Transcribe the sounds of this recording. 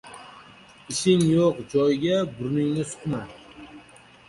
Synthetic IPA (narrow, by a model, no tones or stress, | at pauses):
ɪʃɪŋjoqd͡ʒɒjɡʲabʊɾnɪŋnɪsʊ̥qman